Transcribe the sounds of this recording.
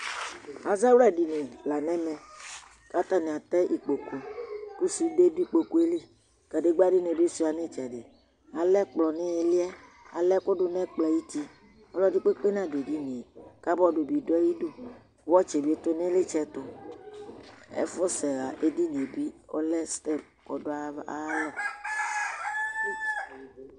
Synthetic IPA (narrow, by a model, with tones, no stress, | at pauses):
a˨za˦wɛ˦˨di˨ne˨la˨nɛ̃˦mɛ˨ | ka˦t̪a˦nẽ˨a˨t̪ɛ˦ʔi˨k͡po˨ku˨ku˦si˦de˦di˦k͡po˨ku˨˦e˦le˦ | ka˨de˦ɡ͡ba˦di˦ne˨be˦si˦˨a˨ne˦t͡ʃɛ˨de˨ | a˨lɛ˦k͡plɔ˨ne˦e˨li˦ɛ˦ | a˨lɛ˦ko˦dʊ˦nɛ̃˦k͡plɔ˨ji˦t̪i˦ | ɔ˦lɔ˦di˦k͡pe˦k͡pe˦nã˦de˨di˦ne˨ka˦bɔ˦do˨bi˨do˦ɛ˦ji˦do˦˨ | wɔ˦t͡ʃe˨bi˨˦e˨˦t̪ʊ˦ne˦le˦t͡ʃɛ˦t̪ʊ˨ | ḛ˦fɔ˦sɛ˨ɣa˨ʔe˦di˦ne˨bi˦ɔ̰˦lɛ˦st̪ɛ˦˨p̚ | kɔ˨dʊ˦a˦a˨˦lɔ˦˨